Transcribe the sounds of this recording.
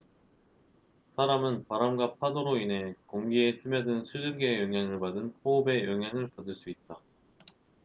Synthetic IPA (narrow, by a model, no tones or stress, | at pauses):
sʰaɾamɯnpaɾamɡwapʰadoɾoinɦe̞koŋɡie̞sʰɯmjʌdɯnsʰud͡ʑɯɭɡe̞jʌŋɦjaŋɯɭpadɯnɸoːbe̞jʌŋɦjaŋɯɭpadɯɭs͈uit̚t͈a